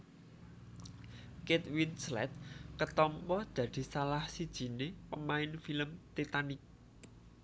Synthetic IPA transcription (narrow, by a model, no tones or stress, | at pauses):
ket̪̚winslɛ̰t̪̚kət̪ɔmpɔd̪̥ä̤d̪̥i̤salahsid̥ʒ̥i̤nepəmaɪnfiləmt̪it̪anɪk̚